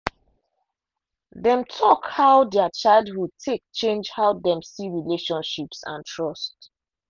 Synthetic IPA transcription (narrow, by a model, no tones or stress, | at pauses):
ðɛ̃mtʰɔkhaʊdɛət͡ʃaɪlˠdwutʰek̚t͡ʃẽnd͡ʒhaʊdɛ̃msiɹileʃɔ̃nʃipsã̰ntʰɹɔst